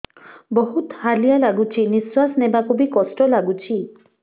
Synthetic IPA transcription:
bɔɦut̪halijalaɡut͡ʃʰiniswasɔnebakubikɔsʈɔlaɡut͡ʃʰi

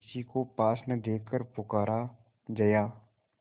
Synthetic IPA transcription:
sikopaːsnəd̪eːkʰːəɾpʊkaːɾa | d͡ʒəjaː

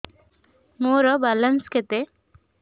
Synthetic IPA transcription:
moɾɔbalənsket̪e

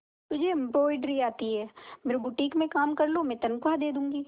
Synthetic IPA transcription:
t̪ʊd͡ʒʱempɾoːɪɖɾiaːt̪iɦɛːmeːɾebʊʈiːkmẽkaːmkɐɾlomɛ̃t̪ɐnkad̪eːd̪ũːŋɡiː

